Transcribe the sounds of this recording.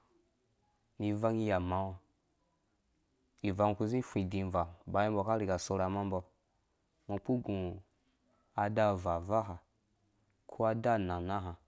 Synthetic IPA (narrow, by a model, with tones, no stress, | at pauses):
ni˧va˦ŋi˦ja˨ma˨˦wa˧ | i˨va˧ŋ˨ku˦zĩ˦fʷĩ˨dĩ˧˨va˨ba˨ji˦bɔ˧˨ka˦ɾi˨ɡa˨so˧ɾa˨˦ma˦m˦bɔ˧ | mo˧k͡pu˦ɡũ˨ | a˧da˦˨va˨va˦ɦa˨ | kʰu˦a˧da˦na˨na˦ɦa˨